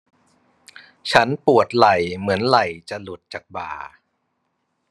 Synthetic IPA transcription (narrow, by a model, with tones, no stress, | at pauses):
t͡ɕʰa˦˥npu˨˩ət̪̚la˨˩jmɯ˩˦ənla˨˩jt͡ɕa˨˩lu˨˩t̪̚t͡ɕa˨˩k̚ba̰ː˨˩